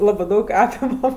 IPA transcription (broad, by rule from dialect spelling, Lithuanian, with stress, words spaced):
ˈlˠɑːbɜ ˈdɐʊk ˈɑːpʲɪmɐm